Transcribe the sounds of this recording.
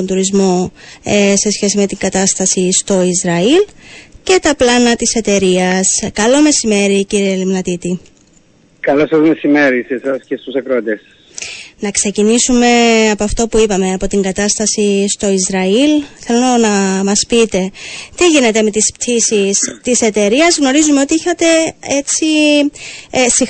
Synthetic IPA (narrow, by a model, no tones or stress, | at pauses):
ond̪uɾizmo̞ | se̞sçe̞sime̞t̪iŋɡɐt̪ɐst̪ɐsist̪o̞izɾɐilce̞t̪ɐplɐnɐt̪ise̞t̪e̞ɾiɐskɐlo̞me̞sime̞ɾiciɾielimnɐt̪it̪i | kɐlosɐzme̞sime̞ɾisesɐscest̪usɐkɾoɐt̪esɐ | nɐkse̞cinisume̞ɐpoɐft̪o̞puipɐme̞ɐpo̞t̪iŋɡɐt̪ɐst̪ɐsist̪o̞izɾɐilθe̞lonɐmɐspit̪e̞t̪iʝine̞t̪e̞me̞t̪ispt̪ʰisist̪ise̞t̪e̞ɾiɐzɣno̞ɾizumeo̞t̪iiçɐt̪e̞et͡si | si